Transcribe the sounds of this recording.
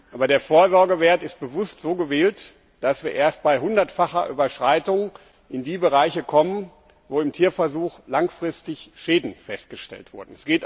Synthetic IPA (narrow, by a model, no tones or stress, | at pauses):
ʔaːbɐdeːɐfoːɐzɔɐɡəveːɐtɪst̚b̥əvʊstz̥oːɡəveːlt | d̥asv̥iːɐʔeːɐst̚b̥aɪɦʊndɐtfaχɐʔyːbɐʃʁ̥aɪtʊŋ | ʔɪndiːbəʁaɪçəkʰɔmən | voːɪmtʰiːɐfɛɐzuːxlaŋfʁ̥ɪstɪçʃeːdn̩fɛst̚ɡ̥əʃtɛ̰ltv̥ʊɐdn̩ɛsɡ̥eːt